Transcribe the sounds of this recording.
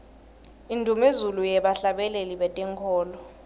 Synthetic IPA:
indʱumezulujɛɓaɬaɓɛleliɓɛtʼɛŋkʰɔːlɔ

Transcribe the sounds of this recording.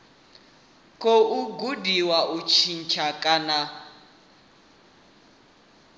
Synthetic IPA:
kʼoʔuɡudiwaʔut͡ʃʰin̩t͡ʃʰakʼana

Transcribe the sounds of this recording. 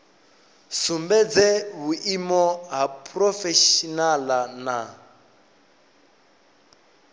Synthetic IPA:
sumbɛd͡zɛβuʔimɔɦapʰʼrɔfɛʃinalana

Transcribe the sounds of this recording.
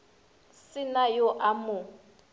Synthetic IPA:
sɪnajɔʔamʊ

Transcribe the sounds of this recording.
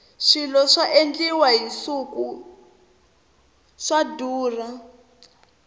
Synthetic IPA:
ʂilɔʂaʔend͡ɮiwaɦisuku | ʂaduːra

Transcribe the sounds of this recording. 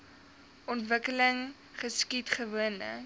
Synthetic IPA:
ʔɔntvəkələŋ | χəskitχəvuənlə̰

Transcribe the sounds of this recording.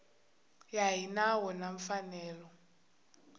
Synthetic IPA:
jaɦinawɔnaɱfanɛːlɔ

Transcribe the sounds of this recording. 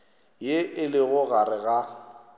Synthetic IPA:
jeɪlɪɣʊɣaɾɪɣa

